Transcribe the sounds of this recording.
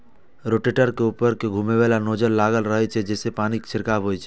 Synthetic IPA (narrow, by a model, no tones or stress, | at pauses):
ɾoʈeʈəɾkeupəɾkeɡʱumeʋɛlanoːd͡ʒəɾlaɡəlɾəɦɛt͡ʃʰɛd͡ʒɛːsepaːnikt͡ʃʰɪɾkabɦojt͡ʃʰɛ